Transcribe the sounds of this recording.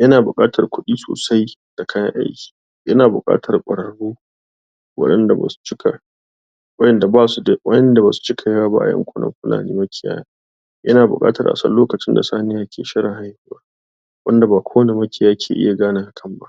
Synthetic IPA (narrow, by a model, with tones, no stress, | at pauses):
jɐ˦naː˨bʊ˨kʼaː˦tʰɐ˨rkʷʊ˦ɗiː˦so̰ː˨sa˦j | d̥a˨kʰa˦jɐ̰˦ʔa̰˦jkʲi̥ː˨ | jɐ˦naː˨bʊ̰˨kʼa̰ː˦tʰɐ˨rkʷʼɐ̰˨ɽɐ˨ɽuː˦ | wɐ̰˦ɗɐ˦nda˨ba̰ː˨su̥˨t͡ʃɪ˦kʰa˨ | wɐ˦jɛ˨nda˨baː˦su˦da˦wɐ̰˦jɛ˦nda˨baː˨su̥˨t͡ʃɪ˦kʰa˨jaː˦ba̰˦ʔa̰˨jɐ̰˦ŋkʷʼʊ˦nɐ̰˦mɸɪ˦lʔa̰ː˨niː˦mɐ˦kʲɪ˦˨˦ja̰ː˦ja˨ | jɐ˦naː˨bʊ̰˨kʼa̰ː˦tɐ˨rʔa̰˨sɐ̰˦nlːoː˦kɐ˨t͡ʃɪ˦nda̰˨saː˦nɪ˦jaː˦kʲʰeː˨ʃɪ˦ɽɪ˨ŋha˦jhi˨˦ba˦ | wɐ̰˦nda˨baː˨kʷʰoː˦wne˨mɐ˦kʲɪ˨jaː˦kʲʰḛː˨ʔɪ̰˦ja˨ɡaː˦naː˨ha˨kʰɐ˦˨mba̰˦ʔ